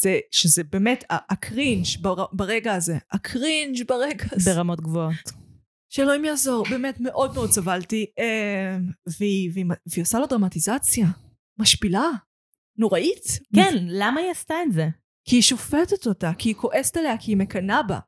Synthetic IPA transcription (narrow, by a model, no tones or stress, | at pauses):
z̥eʃezebeːme̞tʰaakʰʁinʃbaabaʁeɡaːzeakʰʁind͡ʒbaʁeɡazbeʁamotɡvoot | ʃeloimjaːzo̞ʁbe̞ːmetme̞ʔo̞d̚meo̞d̚t͡savaltie | veiveimaveiosalo̞dʁamatizat͡sja | maʃpila | no̞ʁaʔitkenlamaiastaetze | kiːʃo̞fetetotakiːko̞ʔe̞se̥taleakiːme̞kanaba̰